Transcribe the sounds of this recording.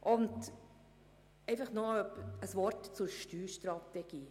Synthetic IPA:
ʔʊnd | ɛɪfɑχnoœpəsʋɔɾtt͡sʊɾʃtyːʃt̪ɾɑt̪ɛɡ̥iː

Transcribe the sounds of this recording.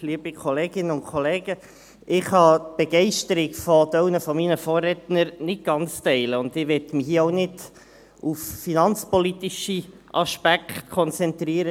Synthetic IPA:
liəbikʰɔleːɡ̥ɪnəʊnkʰɔleːɡ̥ə | ʔɪχhɑːtb̥ɛɡ̥ɛɪʃtəɾiɡfɔdœʊnəfɔminəfɔːrɛtnəɾnɪt̚ɡ̥ɑnt͡stɛɪləʊnd̪ɪʋɛtmɪhiːəoʊnɪd | ufːinɑnt͡spɔlit̪iʃi | ʔɑʃpækχtkʰɔnt͡sɛnt̪ɾiːəɾə

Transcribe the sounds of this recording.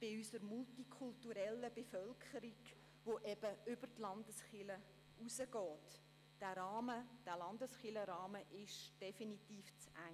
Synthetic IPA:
b̥ɪysəɾmultikʰultuɾɛlːəbɛfœlkʰχəɾiɡ | ʋoʔɛb̥əʏb̥ərtlɑndəsχɪlə | usəɡɔːt | d̥æɾɑːməd̥æːlɑndəsχɪləɾɑːməʔɪʃd̥ɛfinitiːft͡sæ

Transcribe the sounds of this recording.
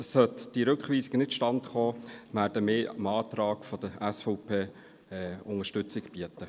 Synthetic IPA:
sœt̪d̥iɾɵkχʋiːsɪɡənɪtʃtɑntχoːmæːɾdəmɪːəmɑːt̪ɾɑːɡfɔd̥̪əæsfɔʊpʰeː | ɛʊŋəʃtʏt͡sɪɡb̥iətə

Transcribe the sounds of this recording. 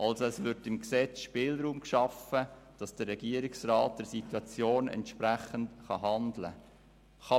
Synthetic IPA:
ʔɑlsoɛsʋʏɾtɪmksɛt͡sʃpɪːlɾuːmkʃɑfəd̥ɑsd̥ərːɛɡiəɾiksrɑːt̚d̥ɛɾsituɑt͡sjoːnɛ̰ntʃpɾæχəntχɑɦɑndlə̰ | χɑ

